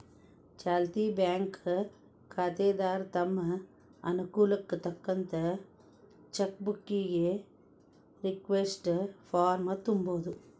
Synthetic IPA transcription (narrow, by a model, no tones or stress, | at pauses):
t͡ʃaːlt̪iːbjaːŋk | kʰaːt̪eːd̪aːɾt̪ɐmːɐ | ɐ̰nukuːlɐkːut̪ɐkːɐnt̪ɐ | t͡ʃɐk̚bukːiɡe | ɾikʋesʈpʰaːɾmɐt̪umboːd̪u